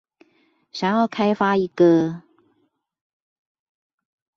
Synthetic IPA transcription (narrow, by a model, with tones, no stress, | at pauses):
ɕjɑ˨˩ŋjɑ˥˩ʊkʰa˥ɪfa˥i˧˥ɡə˩